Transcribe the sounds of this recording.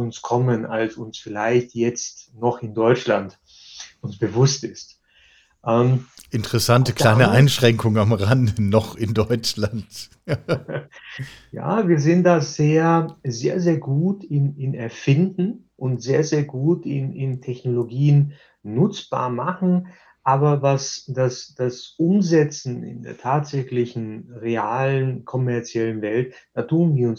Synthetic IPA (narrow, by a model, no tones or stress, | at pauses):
ʊnskʰɔməna̰lsʊnsfɪlaɪçtjɛt͡stnɔχɪndɔʏt͡ʃlant | ʊnsb̥əvʊstɪst | ʔɛːmʔɪntəʁɛsantəkl̥aɪnəʔaɪnʃʁ̥ɛŋkʊŋənamʁandənɔχɪndɔʏt͡ʃlant | ja̰ːviːɐzɪnt̚d̥aːzeːɐzeːɐzeːɐɡuːtɪnɪnɛɐfɪndn̩ | ʔʊntz̥eːɐzeːɐɡuːtɪ̰nɪntʰɛçnoloɡiːənː | ʊt͡sb̥a̰ːɐmaχn̩ | ʔaːbɐvasd̥asd̥asʔʊmzɛt͡sn̩ɪ̰ndḛːɐtʰaːtz̥ɛçlɪçn̩ʁea̰ːlənkʰɔmɛɐt͡sjɛlənvɛltd̥aːtʰuːnviːɐʊn